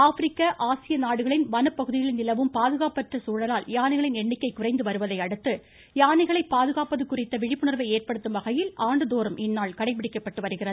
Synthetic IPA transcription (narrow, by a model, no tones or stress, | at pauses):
aːfɪɾɪkːɐʔaːsɪjɐnaːɽɯɣɐɭɪnʋɐnɐpːɐɣɯðɪjɪlnɪlɐʋɯmpaːðɯɣaːpɐʈrɐsuːɻɐlaːljaːnɪɣɐɭɪnɛɳːɪkːɐɪkʊrɐɪnd̪ɯʋɐɾɯʋɐðɐɪɐɽɯt̪ːɯ | jaːnɐɪɣɐɭɐɪpːaːðɯɣaːpɐðɯkːʊrɪt̪ːɐʋɪɻɪpːɯɳɐɾʋɐɪeːrpɐɽɯt̪ːɯmʋɐɣɐjɪlʔaːɳɖɯðoːɾɯmʔɪnːaːɭkɐɽɐɪp̬ːɪɽɪkːɐpːɐʈːɯʋɐɾɯɣɪrɐðɯ